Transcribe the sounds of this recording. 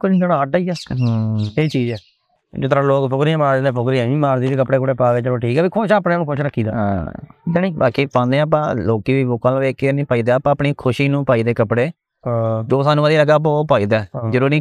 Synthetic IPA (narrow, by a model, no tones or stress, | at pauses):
koĩnanːaːɖaːiːaː | eːt͡ʃiːzɛː | d͡ʒɪt̪əɾãːloːkpʰʊkɾiɛ̃ːmaːɾd͡ʒleːpʰʊkɾiɛ̃ːĩːmaːɾd̪iːd̪eːk̬əpɽeːkoɽeːpaːɡɛːt͡ʃəlõːʈʰiːkɛːbiːkʰoːʃãːpnẽːnũːkʰʊ̃ʃɾəkʰːiːd̪aːã̰ːd͡ʒanĩːbaːkiːpãːnd̪ẽːp̬ãːloːkiːbiːboːkãːl̃ːʋeːkːenĩːpaːiːd̪eːpãːəpniːkʰʊʃiːnũːpaːiːd̪eːkəpɽẽː | d͡ʒoːsaːnũːəːd̪iːləɡaːp̬ãoːpaːiːd̪ɛːd͡ʒəɾuːɾnĩː